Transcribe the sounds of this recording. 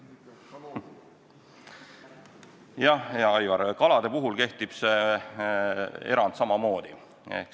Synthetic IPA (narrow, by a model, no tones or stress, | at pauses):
jɑhjɑɑjvɑɾkɑlɑd̪̥e̞puɦulke̞ht̪ib̥se | e̞̰ɾɑnd̪̥sɑmɑmo̞ːd̪̥i | e̞̰hk